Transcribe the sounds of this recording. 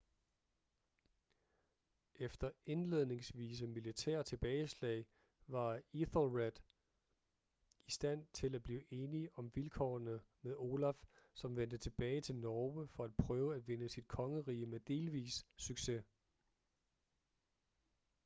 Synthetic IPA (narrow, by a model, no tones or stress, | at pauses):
ʔefd̥ɐe̝nle̝ðˠne̝ŋsʋḭːs̬əmilit͡sʰæɐ̰t͡sʰe̝b̥ɛːɪslɛ̰ɪ | ʋɑ̈iθlʁed̥ | isd̥æn̰t͡sʰe̝læb̥liːʔe̝ːniʔɒ̽mʋilkʰɒ̰nəmeðˠo̝ːlæfsɒ̽mʋen̰d̥ət͡sʰe̝b̥ɛːɪt͡sʰe̝lnɒːʋəfɒ̽æd̥̚pʰʁœːʊəæd̥ʋe̝nəsid̥̚kʰɒ̽ŋəʁiːəmed̥e̝ːlʋḭːsːyɡ̥se̝